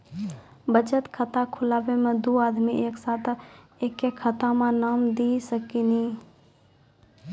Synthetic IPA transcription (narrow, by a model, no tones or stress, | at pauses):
bət͡ʃət̪kʰət̪akʰʊlaːbemẽd̪oːaːd̪miʔeːksaːt̪ʰ | eːkːekʰət̪amãnaːmd̪isəkini